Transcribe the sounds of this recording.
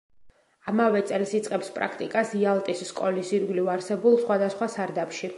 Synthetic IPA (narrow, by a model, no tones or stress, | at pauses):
amavɛt̪sʼɛlˠsit̪sʼqʼɛpspʼɾa̰kʰt̪ʼikʼasialˠt̪ʼisːkʼɔlisiɾɡlivaɾsɛbulˠsχwad̪asχwasaɾd̪apʃi